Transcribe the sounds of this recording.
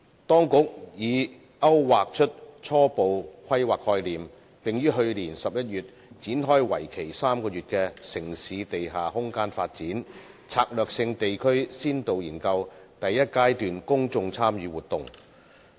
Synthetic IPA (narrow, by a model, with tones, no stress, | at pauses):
t̪ɔː˥ŋkʊ˨˥k̚jiː˨˧ | ɐ˥wwaː˨k̚t͡ʃʰɵ˥t̚t͡sʰɔː˥po˨˧wkʰɐ˥jwaː˨k̚hɔː˧jliː˨m | pɪ˨ŋjyː˥ɦɵ˧ɥliː˨˩nsɐ˨p̚jɐ˥t̚jyː˨t̚ | t͡siː˨˥nɦɔː˥jwɐ̰˨˩jkʰe˨˩jsaː˥mkɔː˧ɥyː˨˩t̚kɛː˧sɪ˨˩ŋsiː˨˧˦t̪e˨jɦaː˨hʊ˥ŋkaː˥nfaː˧t̚t͡siː˨˥n | t͡sʰaː˧k̚lœː˨k̚sɪ˧ŋt̪e˨jkʰɵ˥ɥsiː˥nt̪o˨wjiː˨˩nkɐ˧wt̪ɐ˨jːɐ˥t̚kaː˥jt̪yː˨nkʊ˥ŋt͡sʊ˧ŋt͡sʰaː˥mjyː˨˧wuː˨t̪ʊ˨˩ŋ